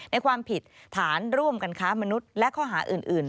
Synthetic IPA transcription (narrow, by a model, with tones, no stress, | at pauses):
na˧jkʰwaː˧mpʰi˨˩t̪̚ʰːaː˩˦nɾu˥˩əmka˧nkʰaː˦˥ma˧nu˦˥t̪̚lɛ˦˥ʔkʰɔː˥˩ɦaː˩˦ʔɯː˨˩nʔɯː˨˩n